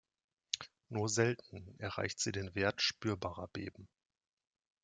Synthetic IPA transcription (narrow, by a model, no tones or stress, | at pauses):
nuːɐzɛltn̩ʔɛɐʁa̰ɪçtz̥iːdeːnveːɐtʃpyːɐbaːʁɐbḛːbm̩